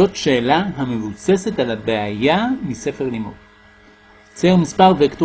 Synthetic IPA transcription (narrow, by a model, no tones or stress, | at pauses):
o̞tʃe̞ːlaɦame̞vuse̞se̞talabeajamise̞feʁlimud | t͡semispaʁveaktu